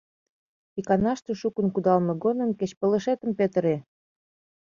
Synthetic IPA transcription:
ikɑnɑʃt̪ĕʃukənkud̪ɑlmɤ̆ɡonə̆mket͡ɕpə̆lə̆ʃet̪ə̆mpet̪əɾe

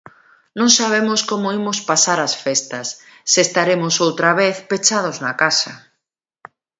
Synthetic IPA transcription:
nõŋsaβ̞emʊskomʊimʊspasaɾasfest̪ɐsː | est̪aɾemʊsowt̪ɾaβ̞eθpet͡ʃað̞ʊznɐkasɐ

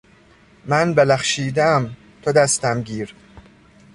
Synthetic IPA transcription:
mænbelæχʃiːd̪ææm | t̪ʰod̪æst̪æmɟiːɾ

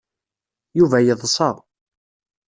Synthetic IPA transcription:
juvæjəðˤsˤɑʁ

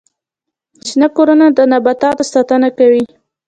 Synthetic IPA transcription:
t͡ʃinakoɾanad̪ənabat̪ɑt̪sɑt̪anakawi

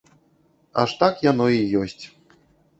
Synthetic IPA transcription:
a̰ʂt̪akjan̪ɔijɔsʲt͡sʲ

